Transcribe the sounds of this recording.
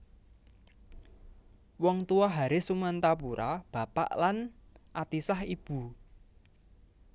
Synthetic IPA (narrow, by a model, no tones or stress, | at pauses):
wɔŋt̪uɔɦaɾesumant̪ap̬uɾab̥ä̤pa̰ʔlanʔat̪isahib̥ṳ